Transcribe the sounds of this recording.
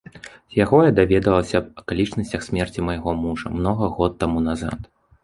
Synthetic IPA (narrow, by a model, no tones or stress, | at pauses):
zjaɣɔjad̪avʲɛd̪ɐllˠɐsʲɐbɐkalʲit͡ʂnɐsʲt͡sʲɐxsʲmʲɛrt͡sʲimɐjɣɔmuʐɐ̰mnɔɣɐɣɔt̪ːamunaza̰t̪